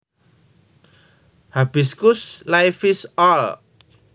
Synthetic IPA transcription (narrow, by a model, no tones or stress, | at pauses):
hab̥i̤skʊslajfisɔl